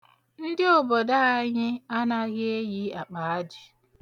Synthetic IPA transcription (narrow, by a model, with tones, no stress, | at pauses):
n̩˦dɪ˦ʊ˨bɔ˨da˦a˦ɲɪ˦a˦na˦ɣe˦e˦ji˦a˨k͡pa˨a˦dɪ˨